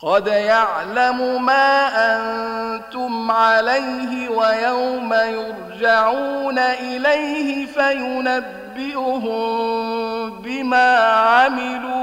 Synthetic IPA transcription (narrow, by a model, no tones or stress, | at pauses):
qɑd̪jaʕlamʊmaːʔant̪ʊmʕalajɦɪwajawmajʊɾd͡ʒaʕuːnaʔɪlajhɪfajʊnabːɪʔʊɦʊm | bɪmaːʕamɪluː